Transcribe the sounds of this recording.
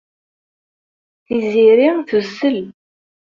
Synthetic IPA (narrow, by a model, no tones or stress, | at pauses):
θiziɾiθusːəl